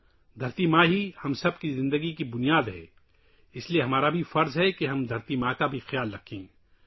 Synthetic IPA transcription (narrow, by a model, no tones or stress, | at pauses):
d̪ʱɐɾt̪imãːɦihɐmsɐb̚kizɪ̃nd̪əɡikibʊnijaːd̪ɦɛ̰ː | ɪslieɦɐmaːɾabʱifɐɾzɦɛkeɦɐmd̪ʱɐɾt̪imãːkabʱixjaːlɾɐkʰẽː